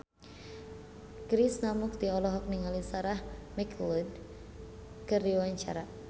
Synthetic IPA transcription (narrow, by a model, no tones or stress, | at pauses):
kɾisnamʊk̚d̪iɔlɔɦɔk̚niŋalisaɾahmiklin | kɨrdiwaɲt͡ʃa̰ɾa